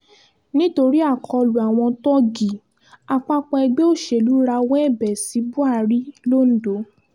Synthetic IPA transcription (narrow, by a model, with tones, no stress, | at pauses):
nĩ˦to˧ɾi˦a˦˨kʰɔ˧lu˨a˨w̃ɔ̃˧tɔ˦ɡi˨ | a˨k͡pa˧k͡pɔ̃˧ɛ˧ɡ͡be˦o˦˨ʃe˨lu˨˦ɾa˧wɔ̃˦ɛ˦˨bɛ˨si˨˦bu˦a˦˨ɾi˦lo˦˨n̩˦do˨˦